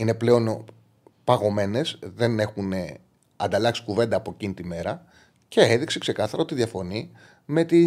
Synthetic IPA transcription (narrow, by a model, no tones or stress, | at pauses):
ine̞ple̞o̞n | pɐɣo̞me̞ne̞zðe̞ne̞xune | ɐ̰nd̪ɐlɐksi̥kuve̞nd̪ɐːpo̞ecinit̪ime̞ɾɐ | ce̞eðiksekse̞kɐθɐɾɐot̪iðʝɐfo̞ni | me̞t̪i